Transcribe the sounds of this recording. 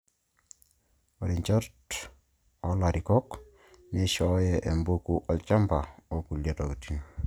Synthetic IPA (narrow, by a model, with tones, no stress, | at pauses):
ɔ˨ɾi˨ɲt͡ʃɔ˦t | ɔ˨la˨ɾi˨kɔk | ne˦ʃɔjɛʔɛ˨mbukuʔɔ˨lt͡ʃa˦mba˨o˨ku˨lja˨tɔ˨kiti˦n